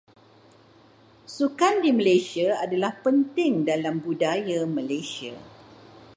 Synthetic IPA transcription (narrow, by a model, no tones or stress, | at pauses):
sukandimə̃lesiaadalahpənt̪ɪŋdalambudajamə̃lesia̰